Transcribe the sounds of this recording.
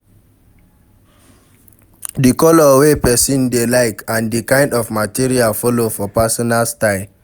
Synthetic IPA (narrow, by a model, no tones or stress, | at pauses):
dikɔlɔwepɛsũndelaɪkãndikãɪ̃ndɔvmatiɹialfɔlofɔpasɔnalstaɪ